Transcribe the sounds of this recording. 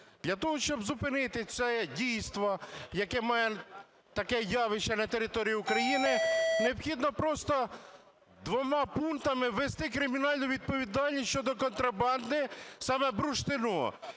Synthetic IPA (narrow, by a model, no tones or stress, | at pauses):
d̪̥lʲɐt̪ɔɦɔʃt͡ʃɔbzʊpɪnɪt̪ɪt͡s̪ʲɛdʲijst̪ʋɔjɐkɛmɑjɛ | t̪ɐkɛjɑʋɪʃɛnɐt̪eɾɪt̪ɔɾʲijiːukɾɐjinɪneɔbxʲid̪nɔpɾɔst̪ɔ | d̪ʋɔmɑpunt̪ɐmɪʋest̪ɪkɾɪmʲinɑlʲnʊʋʲid̪̚pɔʋʲid̪ɑlʲnʲisʲt͡ʃɔd̪ɔkɔnt̪ɾɐbɑnd̪ɪsɑmɛbɾʊʃt̪ɪnṵ